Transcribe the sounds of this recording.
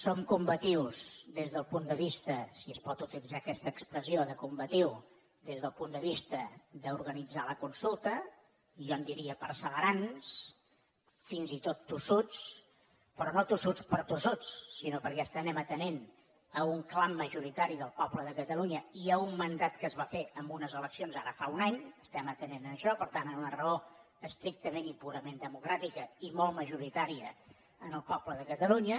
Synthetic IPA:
somkumbət̪iwsðezðəlˠpund̪əβist̪əsiəspɔt̪ut̪ilid͡zakɛst̪əːkspɾəzioðəkumbət̪iw | ðezðəlˠpund̪əβ̞ist̪əðəuɾɣənid͡zaləkunsulˠt̪ə | ʒɔnd̪iɾiəpəɾsəβəɾans | finzit̪ot̪ːusut͡s | pɾɔnot̪usut͡spəɾt̪usut͡sːinopəɾkɛəst̪ənɛmət̪ənen | əuŋklamːəʒuɾit̪aɾiðəlˠpɔbləðəkət̪əluɲəiəummənd̪at̪kəzβafeəmbunəzələksionzaɾəfaunaɲəst̪ɛmət̪ənenəəʃɔpəɾt̪anənlərəo | əst̪ɾik̚t̪əmenipuɾəmend̪əmukɾat̪ikəimolˠməʒuɾit̪aɾiə̰ | ənəlˠpɔbləðəkət̪əluɲə

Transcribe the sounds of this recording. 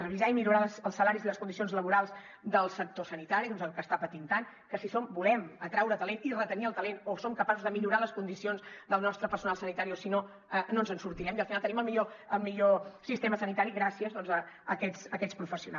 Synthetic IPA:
rəβizaimiʎuɾalsəlˠsəlaɾiziləskund̪isionzləβuɾalˠz | d̪əlˠsək̚t̪osənit̪aɾiðɔnzəlˠkəst̪apət̪int̪an | kəsisombulɛmət̪ɾawɾət̪əlenirət̪əniəlˠt̪əlenosomkəpasuzðəmiʎuɾaləskund̪isionzd̪əlˠnɔst̪ɾəpəɾsunalˠsənit̪aɾiosino | nonzənsuɾt̪iɾɛmiəlˠfinalˠt̪əniməlˠmiʎoəlˠmiʎosist̪eməsənit̪aɾiɣɾasiəzðɔnzəː | kɛsəkɛt̪spɾufəsiuna

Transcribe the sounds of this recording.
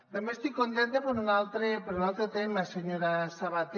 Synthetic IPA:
d̪amest̪ikːont̪ent̪epeɾunalt̪ɾepeɾunalˠt̪ɾet̪emaseɲoɾasaβat̪e

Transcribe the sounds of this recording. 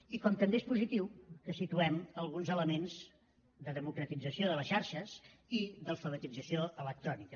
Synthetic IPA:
ikɔmt̪əmbeespuzit̪iwkəsit̪uɛməlˠɣunzələmenz | d̪əðəmukɾət̪id͡zəsioðələsʃaɾʃəziðəlˠfəβət̪id͡zəsioʔələk̚t̪ɾɔnikə

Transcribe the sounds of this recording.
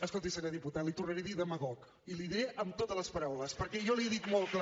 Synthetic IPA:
əskolˠt̪isanəðiput̪alit̪urnəɾeðiðəmaɣɔk | iliðiɾeʔəmt̪ot̪əzləspəɾawləspəɾkɛʒɔliðikmolˠkl

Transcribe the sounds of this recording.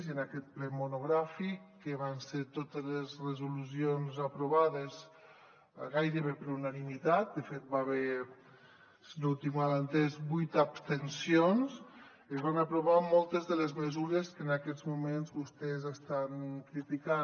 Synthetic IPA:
ziənakɛt̪̚plɛmunuɣɾafikːəβanseɾt̪ot̪əzlezrəzulusionzapɾuβaðəz | ɣajɾəβepɾunanimit̪at̪̚d̪əfet̪̚baβe | nult̪imalant̪ezbujt̪apst̪ənsions | əzβanapɾuβamɔlˠt̪əzðələzməzuɾəskənakɛd̪zmumenzβust̪ɛzast̪ankɾit̪ika

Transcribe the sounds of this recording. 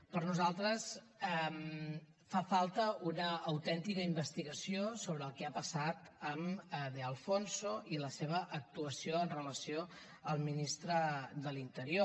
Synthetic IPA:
pəɾnuzalˠt̪ɾəs | ɛm | fafalˠt̪əunəːwt̪ɛnt̪ikəimbəst̪iɣəsiosoβɾəlˠkɛapəsat̪əməðeəlˠfonsoiləseβ̞əʔək̚t̪uəsioənrələsio | əlˠminist̪ɾəðəlint̪əɾio

